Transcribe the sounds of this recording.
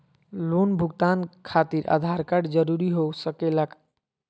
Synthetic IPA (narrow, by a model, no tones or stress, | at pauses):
lonbʱuɡt̪ankʰat̪iɾʔa̰d̪ʱaɾkaɖd͡ʒəɾuɾiɦosəkelak